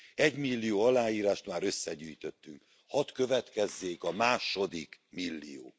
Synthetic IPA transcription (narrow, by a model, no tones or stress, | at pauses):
ɛɟmilːijoːɒlaːjiːɾaːʃt̪maːɾø̞sːɛɟyːjt̪ø̞t̪ːyŋk | hɒt̪kø̞vɛt̪kɛzːeːkɒmaːʃo̞d̪ikmilːḭjo̰ː